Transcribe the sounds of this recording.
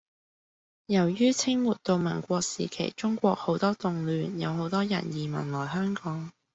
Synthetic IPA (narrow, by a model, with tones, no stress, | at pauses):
jɐ˨˩wjyː˥t͡sʰɪ˥ŋwuː˨t̚t̪o˧wmɐ˨˩nkʷɔː˧k̚sḭː˨˩kʰḛ˨˩jt͡ʃʊ˥ŋkʷɔː˧k̚ho˨˥wt̪ɔː˥t̪ʊ˨ŋlyː˨njɐ˨˧who˨˥wt̪ɔː˥jɐ̰˨˩njiː˨mɐ̰˨˩nlɔː˨˩jɦœː˥ŋkɔː˨˥ŋ